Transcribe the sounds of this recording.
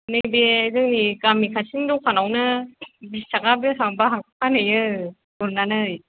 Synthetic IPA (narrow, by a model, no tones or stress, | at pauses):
nɯŋbeɡɯŋniɡamikʰasindɔwkʰanawnɯbitaɡabɯɦaŋbaɦak̚pʰanɯjɯ | buɾnanɯj